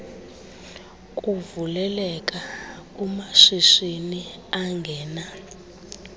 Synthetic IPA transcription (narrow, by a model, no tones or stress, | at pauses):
kʼuvulɛlɛkʼaumaʂiʂiniaŋɡʱɛːna